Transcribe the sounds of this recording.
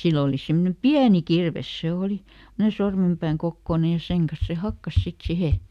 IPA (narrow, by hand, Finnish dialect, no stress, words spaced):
silː oˑli semːŏne piæni kirʋes se oˑli semːŏne sormempæːŋ kokːoˑne jɑ seŋ kɑs se hɑkːɑs sit sihe